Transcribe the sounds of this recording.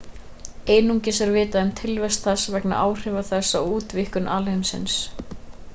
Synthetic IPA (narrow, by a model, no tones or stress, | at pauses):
eːjnuɲcɪsɛɾvɪːt̪aʏmt̪ʰɪlvɛst̪θasavɛkna̰ʔaːwr̥ɪːvaθɛsːauːt̪vɪhkʏnʔalhɛmsɪ̰ns